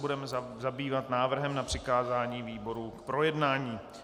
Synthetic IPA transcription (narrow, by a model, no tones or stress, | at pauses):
budɛmɛzzabiːvat̪naːvr̩ɦɛmnapr̝̥ɪkaːzaːɲiːviːbo̞ɾukpɾo̞jɛdnaːɲiː